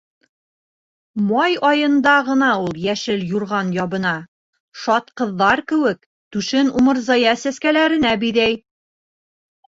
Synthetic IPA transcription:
mɑjɒjɤ̆nd̪ɑʁɤ̆nɑulˠjæʃɘljuɾʁɑnjɒβɤ̆nɑ | ʃɒt̪qɤ̆ðːɑɾkɘ̆wɘk | t̪ʉʃɘnumɤ̆ɾzɑjɑsæskælæɾɘ̆næbiðæj

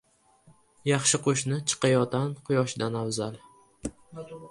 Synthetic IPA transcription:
jɑχʃɪqʰoʃnɪt͡ʃʰɨ̥qʰɑjɒt̪anqʰʊjɒʃɪd̪anawzalˠ

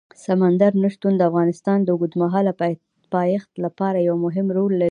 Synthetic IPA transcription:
samand̪aɾnaʂt̪und̪əafɣɑnɪst̪ɑnd̪əɡud̪maɦɑlap | pɑjɪxt̪lapɑɾajawmʊɦɪmɾolːa

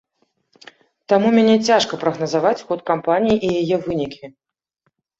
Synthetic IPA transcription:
t̪amumʲanʲɛt͡sʲaʂkɐpɾɐɣnɐzavat͡sʲxɔt̪kampanʲijiʔijajɛvɨnʲikʲi

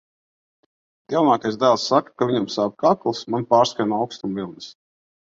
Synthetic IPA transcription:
d̪̥ʲiwnaːkajzd̪æːlˠsːakḁkavʲiɲamsab̚kaklˠsmanpaːɾskajnawkst̪umvilˠnɨs

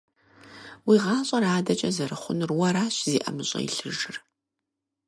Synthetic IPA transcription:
wiːʁɑːɕʼɐraːdɐt͡ʃʼɐzɐɾɨχʷʊnrwɐɾaːɕzḭːʔɐmɨɕʼɐ̰ḭɬɨʒɨr

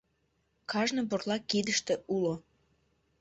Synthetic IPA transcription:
kɑʒnəborlɑkid̪əʃt̪eʔulo

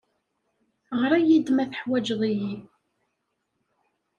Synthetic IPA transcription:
ʁɾæjid̪mæθəħwæd͡ʒðˤiji

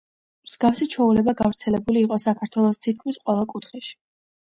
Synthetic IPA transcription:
mz̥ɡafsit͡ʃʰɔulɛbaɡavɾt̪sʰɛlɛbuliːqʼɔsakʰaɾt̪ʰwɛlˠɔst̪ʰit̪̚kʰmisqʼwɛlˠakʼut̪ʰχɛʃi̥

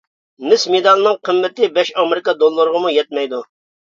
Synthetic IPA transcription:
nɪsmed̪ɑlˠɨnɨŋqʰəmːɪt̪ɪbɛʃɑmɪɾɪkɑd̪olˠːəɾəʁəmujɛt̪̚mɛjd̪u

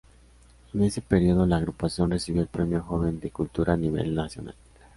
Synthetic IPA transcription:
ene̞se̞peɾio̞ðo̞laːɣɾupasjo̞nresiβjo̞elpɾe̞mjo̞xo̞βe̞nd̪e̞kult̪uɾaːniβe̞̰lnasjo̞̰na̰l

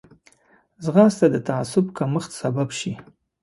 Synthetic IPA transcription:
zɣɑst̪ad̪ət̪aasʊbkaməxt̪sababʃi

